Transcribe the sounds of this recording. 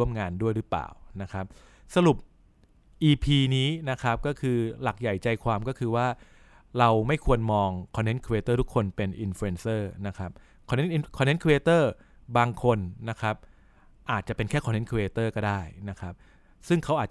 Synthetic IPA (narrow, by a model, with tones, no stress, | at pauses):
u˥˩əmŋaː˧ndu˥˩əjɾɯ˦˥pla̰ː˨˩wna˦˥kʰa˦˥p̚ | sa˧ɾu˨˩p̚ | ʔiː˧pʰiː˧niː˦˥na˦˥kʰa˦˥p̚kɔː˥˩kʰɯː˧la˨˩k̚ja˨˩jt͡ɕa˧jkʰwaː˧mkɔ˥˩kʰɯː˧waː˥˩ | ɾa˧wma˥˩jkʰu˧ənmɔː˧ŋkʰɔ˧nːe˦˥nkʰu˧eː˧t̪ɤː˥˩t̪ʰu˦˥kʰːo˧npe˧nʔi˧nfuː˧e˧nsɤː˥˩na˦˥kʰɾa˦˥p̚ | kʰɔ˧nːe˦˥nʔi˧kʰɔ˧nːe˦˥nkʰu˧eː˧t̪ɤː˥˩ | baː˧ŋkʰo˧nːa˦˥kʰa˦˥p̚ | ʔaː˨˩t̪̚t͡ɕa˨˩pe˧nkʰɛː˥˩kʰɔ˧nːe˦˥nkʰu˧eː˧t̪ɤː˥˩kɔː˥˩daː˥˩jna˦˥kʰa˦˥p̚ | sɯ˥˩ŋkʰa˦˥wʔaː˨˩t̪̚